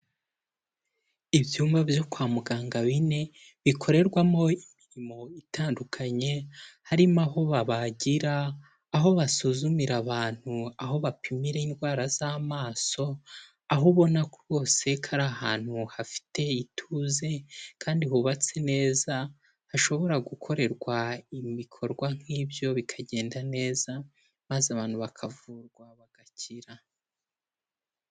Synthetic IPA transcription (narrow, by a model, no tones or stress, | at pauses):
iβjuːmvavjo̞kwaːmuɡaːŋɡaβine̞ | βikʰo̞ɾe̞ɾɡwamo̞imiɾimo̞itʰaːndukʰaɲe̞haɾimaɦo̞βaβaɟiɾaː | ɦo̞βasuzumiɾaβaːn̥huaɦo̞βapʰimiɾe̞inɡwaːɾaz̥amaːso̞ | aɦoβo̞nakuo̞ːse̞kʰaɾahaːn̥huhafi̥te̞itʰuze̞kʰaːndihuβat͡se̞ne̞ːza | haʃo̞βo̞ɾaɡukʰo̞ɾe̞ɾɡwaimikʰo̞ɾɡwaŋ̥hiːbjo̞βikʰaɟe̞ːndane̞ːza | mazaβaːn̥huβakʰavuɾɡwaβaɡ̥acʰiɾa